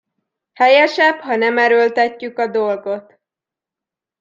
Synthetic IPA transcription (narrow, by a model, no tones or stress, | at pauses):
hɛjɛʃɛbhɒnɛmɛɾølt̪ɛcːykɒd̪o̞lɡo̞t̪